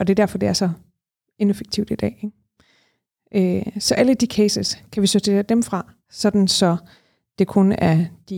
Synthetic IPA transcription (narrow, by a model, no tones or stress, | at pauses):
ɒ̽d̥e̝d̥æɐfɒ̽d̥e̝æɐsɒ̽ | e̝nefeɡ̥̚t͡sʰiʊd̥id̥ɛ̰ː | ʔøsɒ̽ʔæləd̥ikʰesəskʰæʋisod̥ʰe̝̰ːɐd̥emfʁɑ̈ | sɒ̽d̥n̩sɒ̽ | d̥e̝kʰonæɐd̥i